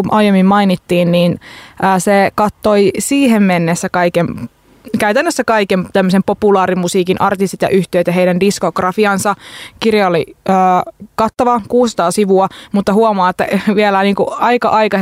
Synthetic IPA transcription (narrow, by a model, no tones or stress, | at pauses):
umʔɑjemːimmɑinit̪ːiːnniːnʔəːsekɑt̪ːoisiːɦemmenːesːækɑikem | kæyt̪ænːøsːækɑikemt̪æmːøsempopulɑːɾimusiːkinʔɑrt̪ist̪it̪jɑ̰ʔyht̪eːt̪jɑɦeijdændiskoɡrɑfiɑnsɑkirjɑoliøːkɑt̪ːɑʋɑkuːssɑ̥t̪ɑːsiʋuɑmut̪ːɑɦhuomɑːet̪ːæʋielæniːŋkuɑikɑ̰ʔɑikɑ